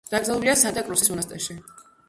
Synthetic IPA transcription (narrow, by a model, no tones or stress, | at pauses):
d̪̥akʼzʼɛlˠuliasad̪akʼɾusisɔnast̪ʼɛʃi